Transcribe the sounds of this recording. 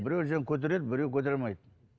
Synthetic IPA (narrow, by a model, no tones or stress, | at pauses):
bɪɾews̬eŋkʲʰɵt̪̬eɾed̪̚bɪɾewkʲʰɵt̪̬eɾmɑjd̪̚